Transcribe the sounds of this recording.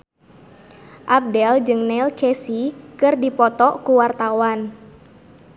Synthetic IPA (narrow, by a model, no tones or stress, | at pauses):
ʔab̚dɛld͡ʒɨŋnɛlkesikɨrdipɔt̪ɔkuwart̪awan